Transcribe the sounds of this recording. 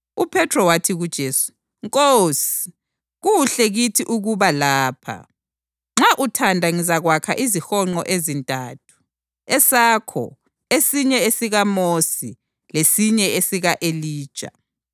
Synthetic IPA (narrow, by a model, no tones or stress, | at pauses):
upʰɛtʰrɔwatʰiɣud̥ʒ̥ʱeːsu̥ | ŋkʼosi̥ | ɣuɬɛɣitʰiʔuɣuβalaːpʰa̰ | ŋ͡ǁaʔutʰandʱaŋizaɣwakʰa̰ʔizixɔŋ͡ǃɔ̰ʔezintʼaːtʰu̥ | ɛsakʰɔ̰ | esiɲɛesiɣamosi | lesiɲɛesiɣaʔeliːd̥ʒ̥ʱʼa̰